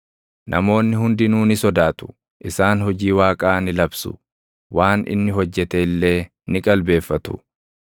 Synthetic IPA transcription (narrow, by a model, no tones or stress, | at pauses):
nʔɐ̰mo̞ːnːɪɦʊnd̪ɪnuːnɪsɔd̪aːt̪ʊ̥ | ʔɪsaːnhɔd͡ʒiːwaːkʼaːnɪlɐbsʊ̰ | waːnɪ̰nːɪɦɔd͡ʒːɛt̪eɪlːe̞ː | nɪkʼɐlbe̞ːfːɐt̪ʊ̥